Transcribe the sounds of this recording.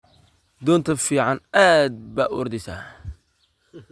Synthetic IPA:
d̪ɔːnt̪ʰɐfiːʕɑnaːd̪̚baːʔɔ̰rd̪ɪsa̰ː

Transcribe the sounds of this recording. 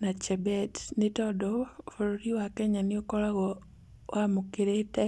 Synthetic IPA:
nat͡ʃɛbɛtnɪtɔdɔfoɾoɾiwakɛɲanɪokɔɾaɣɔ | amukeɾetɛ

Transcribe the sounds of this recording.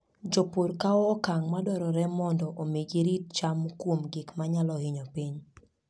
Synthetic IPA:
d͡ʒopoɾkaɔːkaŋmadwɔɾɔɾɛmɔndɔʔomeɡiɾit̚t͡ʃamkwomɡɪkmaɲalɔhɪɲɔpiɲ

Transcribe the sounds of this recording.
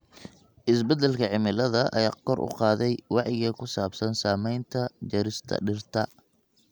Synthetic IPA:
ʔɪsbɛd̪ɛlkʰɐʕɪmɪlɐðɐʔɐ̰jaːkʰɔrʔʊ̰qɑːðɛjwɑʕjɪɣɐkʰʊsaːbsɐnsaːmɛjnt̪ʰɐt͡ʃɐɾɪst̪ʰɐ̰ɖɪrt̪ʰɐ

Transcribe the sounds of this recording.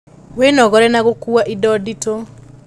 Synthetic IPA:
wenɔɣɔɾɛnaɣokuaʔidɔdito

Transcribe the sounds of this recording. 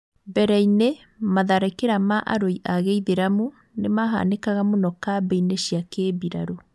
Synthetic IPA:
bɛɾɛine | maðaɾakeɾamaʔa̰ɾoiʔaɣeiðeɾamu | nemaɦa̰nekaɣamonɔkabɛineɕiakebiɾaɾo

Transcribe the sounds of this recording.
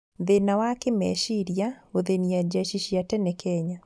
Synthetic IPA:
ðenawakemɛʃiɾjaoðeniad͡ʒaʃiʃiatɛnɛkʰɛɲa

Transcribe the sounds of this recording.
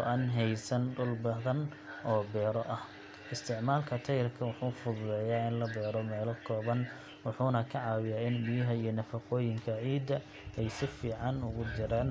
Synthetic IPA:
ɔ̰ʔɐnɦɛjsɐnɖʊlbɐðɐn | ɔːbɛːɾɔʔɐh | ɪst̪ʰɪʕmaːlkʰɐt̪ʰɐjɪrkʰɐwʊħuːfʊðʊlɛːjaːɪnlɐbɛːɾɔmɛːlɐkʰɔːβɐn | wʊħuːnɐkʰɐʕɑːwɪjaːɪnbijɐɦɐijɞnɐfɐqɔːjɪŋkʰɐʕiːd̪ɐ | ɛjsɪfiːʕɑnʊɣʊd͡ʒɪɾaːn

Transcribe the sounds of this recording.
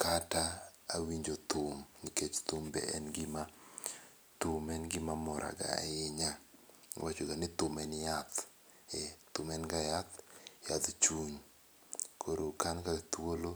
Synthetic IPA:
kataːwiɲd͡ʒot̪ʊmniket͡ʃt̪ʊmbɛ̰ʔɛnɡɪma | t̪ʊmɛnɡɪmamɔɾʔa̰ɡa̰jɪɲa̰wat͡ʃoɡanɪt̪ʊmɛnjat̪ | ɛt̪ʊmɛnɡajat̪jat̪t͡ʃuɲ | kʰoɾokankat̪wolo

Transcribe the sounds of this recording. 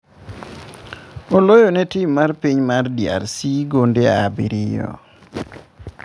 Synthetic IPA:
olojonɛtimːarpiɲmardja̰ɾsiɡondeabiɾijɔ̰

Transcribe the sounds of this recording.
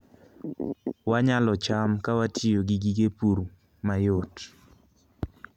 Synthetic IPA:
waɲalɔt͡ʃamkawatioɡiɡiɡepuɾu | majot

